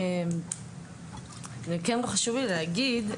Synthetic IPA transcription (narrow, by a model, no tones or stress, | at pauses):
nekenloχaʃuvileaɡid̪